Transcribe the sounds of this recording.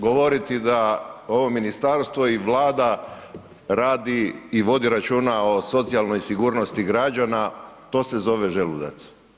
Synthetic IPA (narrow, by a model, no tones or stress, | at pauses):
ɡo̞ʋo̞ɾit̪id̪ao̞ʋo̞minist̪aɾst̪ʋo̞iʋlˠaːd̪a | ɾaːd̪iːʋo̞d̪iɾat͡ʃuːnao̞so̞t̪sijalˠno̞jsiɡuːɾno̞st̪iɡɾad͡ʒanat̪o̞ːse̞zo̞ʋeʒelud̪a̰t̪s